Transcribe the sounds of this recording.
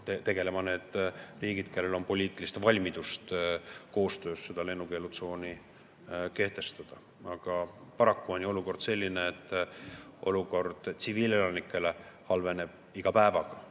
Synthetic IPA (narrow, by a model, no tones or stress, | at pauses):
t̪et̪e̞ɡ̥e̞le̞mɑne̞ːd̪̥riːɡ̥id̪̚ke̞lːe̞lo̞mpo̞lʲiːt̪ːˑilist̪vɑlʲmid̪̥ust̪ko̞ːst̪ø̞ːsːe̞d̪̥ɑle̞nːuke̞lut̪so̞ːni | ke̞ht̪e̞st̪ɑd̪̥ɑ | ɑɡ̥ɑpɑɾɑkːuo̞nʲjio̞luko̞rd̪̥se̞lʲːineːt̪ːˑ | ʔo̞luko̞rd̪̥t̪siviːle̞lɑnikˑːe̞le̞ | hɑlve̞ne̞b̥̚ | iɡ̥ɑpæevɑɡ̥ɑ